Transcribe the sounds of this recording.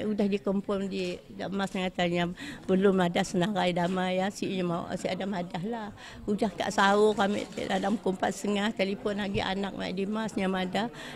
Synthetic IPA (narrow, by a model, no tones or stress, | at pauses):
udahdikəmpʊndidamasnaŋat̪aɲabəlʊmːadahsənaɾajdamajasiʔɲama̰ʔsiadamadaɦla | udahka̰ʔsaʊkamḭʔt̪dalamkumpat̪̚səŋaht̪alifɔnlaɡiʔa̰nak̚ma̰ʔdimasɲamadah